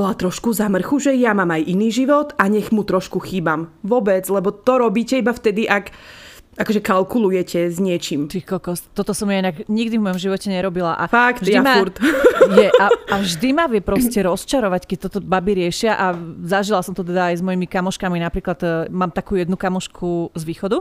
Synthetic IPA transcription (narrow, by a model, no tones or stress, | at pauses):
bɔlat̪ɾɔʃkuzamr̩xuʒɛjamaːmajʔiniːʒiʋɔt̪aɲɛɣmut̪ɾɔʃkuxiːbamʋʊɔbɛd͡zlɛbɔt̪ɔɾɔbiːcɛibaft̪ɛd̪iʔak | ʔakɔʒɛkalkulujɛcɛzɲɪɛt͡ʃimt̪ixkɔlkɔst̪ɔt̪ɔsɔmjainaɡɲiɡd̪ivmɔjɔmʒiʋɔcɛɲɛɾɔbilaʔa̰faktʒjdimauɾt̪jɛʔaavʒd̪imaʋɪɛpɾɔscɛɾɔst͡ʃaɾɔʋackɛc̚t̪ɔt̪ɔbabiɾɪɛʃɪaʔazaʒilasɔmt̪ɔt̪ɛd̪aːjzmɔjimikamɔʃkaminapɾiːklad̪maːmt̪akuːjɛd̪nukamɔʃkʰuzʋiːxɔd̪u